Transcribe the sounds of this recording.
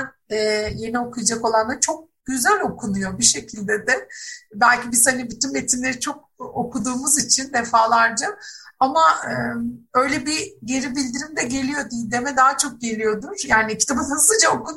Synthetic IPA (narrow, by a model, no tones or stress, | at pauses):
ɛːjenio̞kʰujad͡ʒako̞lˠand̪at͡ʃʰo̞k̚ɟ̥yzælʲo̞kʰunujo̞biʃe̞cʰilʲd̪ɛd̪ɛbælʲcibiz̥hanibit̪ʰynme̞t̪ʰimlʲe̞ɾit͡ʃʰo̞k̚ | okʰud̪uːmuzit͡ʃʰind̪e̞faːlˠaɾd͡ʒaamaɯø̞jlʲɛbiɟe̞ɾibilʲd̪iɾimd̪ɛɟe̞lʲijo̞d̪id̪e̞mɛd̪aɦat͡ʃʰo̞k̚ɟe̞lʲijo̞d̪uɾ̥jaːnicʰi̥t̪ʰabɯnhasɯd͡ʒaokun